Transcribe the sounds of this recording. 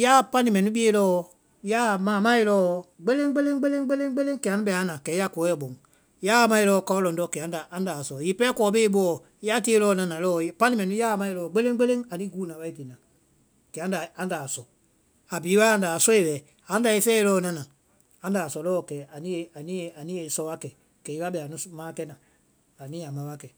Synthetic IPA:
jaː˦pã˦nĩ˨mɛ̃˨nũ˦ɓi˦e˦lɔ˦ | jaː˦˨mãː˨mã˦e˨˧lɔː˦ɡ͡be˦le˦ŋ˦ɡ͡be˦lẽ˦ŋ˦ɡ͡be˦le˦ŋ˦ɡ͡be˦lẽ˦ŋ˦ɡ͡be˦lẽ˦ŋ˦kɛ˨a˨˦nũ˦ɓɛ˨a˨˦nã˨kɛ˨˦a˦kɔ˨˦ɛ˦˨ɓõ˨ŋ | jaː˦˨˦mã˧e˧lɔː˦ka˧˦ɔ˦lɔ̃˨ndɔ˧˨kɛ˨ã˨nda˨ʔa˦nda˨sɔ˨ji˨pɛ˦kɔː˨˦be˦i˦ɓɔ˦ɔ˨ | ja˦ti˦e˦lɔː˦nã˨nã˨lɔː˦pã˦nĩ˦mɛ̃˨nũ˦jaː˦˨mã˦i˨lɔː˨ɡ͡be˦lẽ˦ŋ˦ɡ͡be˦lẽ˦ŋa˨nĩ˦ɡuː˦nã˨wa˦i˦ti˨nã˨ | kɛ˨ã˨˦n˦da˨a˦n˦da˨sɔ˨ | a˨biː˨˦wa˦a˧n˦da˨sɔ˦e˨wɛ˨ | a˨˦da˨e˦fɛ˦e˦lɔː˦nã˦nã˨ | ã˦ndaː˨sɔ˨lɔː˦˨kɛ˨a˨nĩ˦e˨a˨nĩ˦e˨a˨nĩ˦e˨sɔ˧wa˦kɛ˨ | kɛ˨i˦wa˦ɓɛ˨a˨nũ˨mãː˦kɛ˦nã˨ | a˨nĩ˦a˨mã˨wa˦kɛ˨

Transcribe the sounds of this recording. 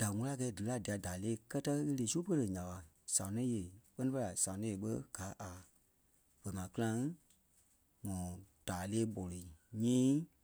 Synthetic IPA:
d̥a˨ŋũ˧la˦˨kɛ˧˦dɨ˨la˦˨di˨a˨daː˨leː˦˨kɜ˦tə˦e˧leː˨su˦pə˦lə˨ɲã˨a˨ | sã˨nĩ˦je˨k͡pɜ˦nĩ˦fə˦˧la˨sã˨ĩ˦e˨˦ɓə˦ɡ̥a˨˦ʔa˨ | v̥ɛ˨mãː˨kɨ˦lã˧ŋ | ŋɔ̃ː˨d̥aː˨leː˦ɓɔ˨lo˨i˨ɲĩː˦

